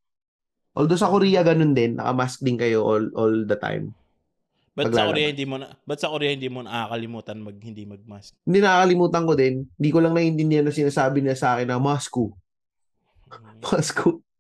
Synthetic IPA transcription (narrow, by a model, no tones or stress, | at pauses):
ʔold̪osɐkoɾiːjɐɡɐno̞nd̪ɛnːʔɐ̰kɐ̰mask̚d̪ɪnkɐjo̞ʔolʔold̪ɐt̪a̰jm | bɐpɐɡɡlaːlɐɾijɐhɪnd̪imonɐbɐt̪sɐkoɾijɐhɪnd̪iːmonɐʔakɐlɪmuːt̪ɐnmɐɡ̚hɪnd̪imɐɡ̚maskhɪnd̪inɐʔakɐlɪmuːt̪ɐŋko̞d̪ɛnhɪnd̪iːkolɐŋnɐʔɪnt̪ɪnd̪ɪhanːɐsɪnaːsaːbɪnɪlasɐʔaːkɛnːɐmasku | masku